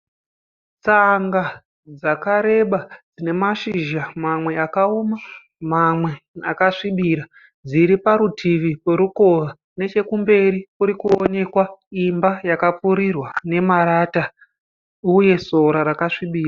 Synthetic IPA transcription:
t͡saŋɡa | d͡zakaɾe̞ɓad͡zine̞maʃiʒamamwe̞akaoma | mamwe̞akaʂiɓiɾa | d͡ziɾipaɾutʰiʋipeɾuko̞ʋa | ne̞t͡ʃe̞kumbe̞rikuɾikuone̞kwaimbajakap͡fuɾirwane̞maɾaːta | uje̞so̞ɾaɾakaʂiɓiːra

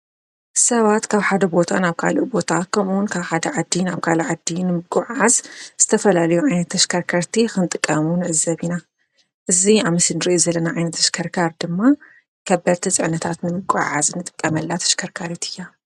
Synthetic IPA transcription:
sɐβat̪kʰaβħad̪ɐbo̞t̪ʰanaβkʰa̰luʔbo̞t̪ʰakʰɐmuwʊnkʰaβħad̪ɐʕad̪ːinaβkʰaluʕad̪ːinɨmɨɡʼuʕazz̥ɨt̪ʰɐfɐlalɐjuʕajnɐt̪ʰːɐʃkʰɐɾkʰɐɾt̪ʰixɨnɨt̪ʼɨkʼːɐmunɨʕɨzɐβina | ʔɨziaβmɨsɨnɨɾɨʔjizɐlːɐnaʕajnɐt̪ʰːɐʃkʰɐɾkʰaɾd̪ɨmːa | kʰɐbɐɾt̪ʰit͡sʼɨʕnɐt̪ʰat̪nɨmɨɡʼuʕa̰zɨnɨt̪ʼɨkʼːɐmɐlːat̪ʰɐ̥ʃkʰɐɾkʰaɾit̪ʰɨjːa

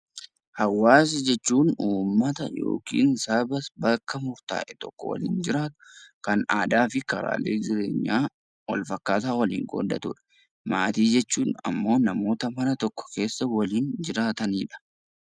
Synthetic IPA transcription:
hɐwːaːs̬ɐd͡ʒɛt͡ʃːuːnuːmːɐt̪ɐ̰jo̰ːkḭːnsaːbɐsbɐkːɐmʊɾt̪a̰ːʔɛt̪ɔ̰kːɔ̰wɐ̰lḭːnd͡ʒɪɾaːt̪ʊ̥kɐnaːd̪aːfɪkɐɾa̰ːlḛːd͡ʒɪɾe̞ːɲːaː | wɐ̰lfɐkːaːt̪aːwɐlḭːŋɡʼo̰ːd̪ːɐ̰t̪uᶑɐ̥ | maːt̪iːd͡ʒɛt͡ʃːuːnɐ̰mːo̞ːnɐmo̞ːt̪ɐmɐnɐt̪ɔkːɔ̥ke̞ːsːɐwɐliːnd͡ʒɪɾaːt̪ɐniːᶑɐ̥

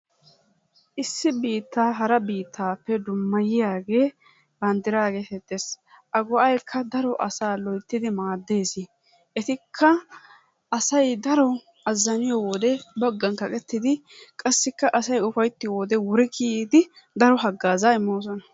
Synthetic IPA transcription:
ʔɪsːɪbiːt̪ːaːɦɐɾɐbiːt̪ːaːpːɛd̪ʊmːɐjɪjaːɡe̞ː | bɐnd̪ɪɾaːɡe̞ːsɛt̪ːes | ʔɐɡɔʔɐjkʰːɐd̪ɐɾɔʔɐsaːlɔjt̪ːɪd̪ɪmaːd̪ːe̞ːsɪ | ʔɛt̪ɪkʰːɐ | ʔɐsɐjd̪ɐɾɔ | ɐzːɐnɪjɔwɔd̪ɛbɔɡːɐnkɐkʼɛt̪ːɪd̪ɪ | kʼɐsːɪkːɐʔɐsɐjʊfɐjt̪ːɪjwɔd̪ɛwɔɾɛkiːd̪ɪ | d̪ɐɾɔɦɐɡːaːzaɪmːoːs̬ɔnɐ

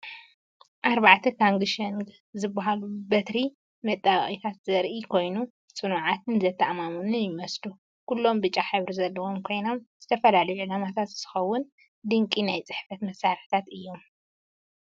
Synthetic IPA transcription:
ʔaɾβaʕt̪ʰɐkʰaŋɡɨʃɐn | zɨbːaɦalubɐt̪ɾi | mɐt̪ʼːaɣχʼit̪ʰat̪zɐɾʔikʰo̞jnu | t͡sʼɨnuʕat̪ʰɨnzɐt̪ʰːɐʔmamunɨjɪmɐslu | kulːo̞mbɨt͡ʃʼːaħaβɾizɐlːɐwo̞mkʰo̞jno̞mz̥ɨt̪ʰɐfɐlalɐjulamat̪ʰat̪z̥ɨ̥xɐwːʊn | d̪ɨŋkʼinajt͡sʼɨħfɐt̪mɐsːaɾħt̪ʰat̪ɨjːo̞m

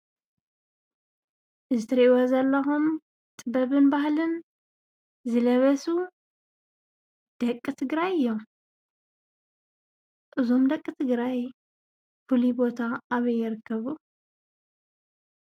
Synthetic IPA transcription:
ʔɨzɨt̪ʰɐɾiʔwozɐlːɐxum | t̪ʼɨbɐβɨnbahlɨn | zɨlɐβɐsu | d̪̥ɐkʼːɨt̪ʰɨɡɾajɨjːom | ʔɨzomd̪ɐkʼːɨt̪ʰɨɡɾaj | fulibo̞t̪ʰaːβɐjːɪɾɨkʰːɐβu

